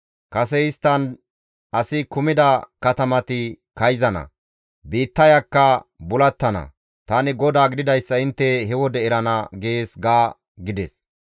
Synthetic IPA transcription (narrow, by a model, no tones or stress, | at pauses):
kɐsɛɪst̪ːɐn | ɐsɪkʊmɪd̪ɐkɐt̪ɐmɐt̪ɪ | kɐjzɐnɐ̰ | biːt̪ːɐjɐkːɐbʊlɐt̪ːɐnɐ̰ | t̪aːnɪɡɔd̪aːɡɪd̪ɪd̪ɐjsːɐɪnt̪ːɛhɛwɔd̪ɛɛɾɐnɐɡeːsɡaː | ɡɪd̪ɛs